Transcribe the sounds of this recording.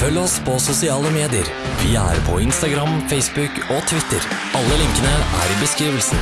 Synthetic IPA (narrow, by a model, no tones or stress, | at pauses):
fœlːəɔspʰɔsʊsɪɑːləmeːd̪ɪəɾ | ʋɪæ̰ɾpʰɔɪnst̪ɑɡɾɑmfeɪsbʉk | ɔt̪ʰʋɪt̪ːəɾ | ɑlːəlɪŋkənəʔæ̰ɾɪbəskɾiːʋəlsn̩